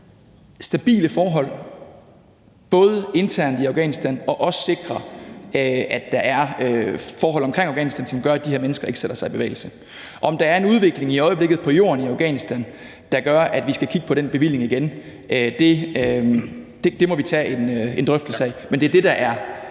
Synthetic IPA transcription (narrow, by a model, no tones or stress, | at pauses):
sd̥æb̥ḭːləfɒːɦɒ̽l̰ | b̥ɔ̽ːð̞ˠəe̝nt͡sʰæɐ̰nd̥iɑ̈ʊɡ̥ɛ̰ːnisd̥ænɒ̽ʔɒ̽sə̥se̝ɡ̥ʁɐ | æd̥ːɑ̈ʔæɐøfɒːɦɒ̽l̰ɒ̽mkʰʁeŋ̰ɑʊɡɛ̰ːnisd̥ænsɒ̽mɡ̥ɶɐæd̥ihe̝ɐ̰menəsɡ̥ɐe̝ɡ̥seɾ̥ɐsɑ̈ɪb̥e̝ʋḛɪl̩sə | ʔɒ̽ɒ̽md̥ɑ̈æɐe̝nuð̞ˠʋe̝ɡ̥le̝ŋiɒ̽ɪəble̝ɡ̥ð̞̩ˠpʰɒ̽jo̝̰ːɐniɑ̈ʊɡ̥ɛ̰ːnisd̥æn | d̥ɑ̈ɡ̥ɶɐʔæd̥ʋisɡ̥ækʰiɡ̥əpʰɒ̽ɾ̥enb̥e̝ʋil̰e̝ŋiɡ̥en | d̥e̝ | d̥e̝d̥e̝mɒ̽ʋit͡sʰɛ̰e̝ne̝nd̥ʁœfd̥l̩səɛmend̥e̝æɐd̥e̝d̥ɑ̈ʔæɐ